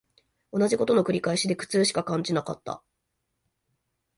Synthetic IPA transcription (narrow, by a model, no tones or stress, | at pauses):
o̞naʑiko̞t̪o̞no̞kɯ̟ɾʲikaiɕid̪e̞kɯ̟̥t͡sɨːɕi̥kakãɲ̟d͡ʑinaka̰t̪ːa̰